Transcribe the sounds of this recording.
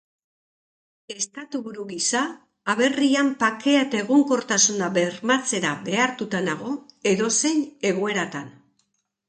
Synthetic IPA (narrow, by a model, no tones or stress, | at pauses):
e̞st̪at̪uβuɾuɣisaː | βe̞riampake̞at̪aeɣoŋko̞ɾt̪asunaβe̞ɾmat͡se̞ɾaβe̞aɾt̪ut̪anaɣ̞o̞e̞ðo̞se̞ɲe̞ɣue̞ɾat̪an